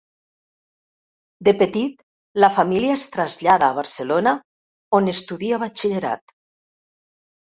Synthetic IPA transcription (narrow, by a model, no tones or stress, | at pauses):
d̪epet̪it̪ | lafamiliaest̪ɾazʎaðaːβ̞aɾselona | onest̪uðiaβat͡ʃiʎeɾa̰t̪